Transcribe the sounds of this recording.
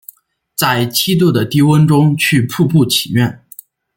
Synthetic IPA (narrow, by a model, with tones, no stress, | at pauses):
t͡sa˥˩ɪt͡ɕʰi˥t̪̬u˥˩d̪ə˩t̪i˥˩wə˥nʈ͡ʂʊ˥ŋt͡ɕʰy˥˧pʰu˥˧pu˥˩t͡ɕʰi˨˩ɥɛ˥˩n